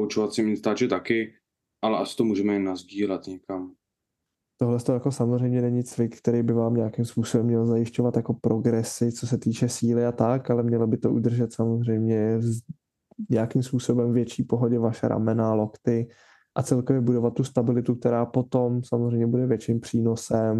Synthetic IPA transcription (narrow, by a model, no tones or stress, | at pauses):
pout͡ʃovat̪sɪmɪnst̪aːt͡ʃɛt̪akɪ | ʔalɛʔasɪ̥t̪omuːʒɛmɛnazɟiːlɛt̪ɲɛkam | t̪oɦlɛst̪ojako̞samo̞zr̝ɛjmɲɛnɛɲɪt͡svɪkkt̪ɛɾijbɪvaːmɲɛakimspuːsobɛmːɲɛlzajɪʃco̞vat̪jako̞pɾʔo̞ɡɾɛsɪt͡so̞s̬ɛt̪iːt͡ʃɛsiːlɪat̪akalɛmɲɛlabɪt̪o̞ʔṵd̪r̩ʒɛt̪samozr̝ɛjmɲɛv | ɲɛakimspuːso̞bɛmvjɛt͡ʃiːpo̞ɦoɟɛvaʃɛ̰ɾʔa̰mɛnalo̞kt̪ɪ | ʔat͡sɛlkovjɛbudo̞vat̪ːust̪abɪlɪt̪uk̚t̪ɛɾaːpo̞t̪o̞msamozr̝ɛjmɲɛbudɛvjɛt͡ʃimpr̥iːno̞sɛm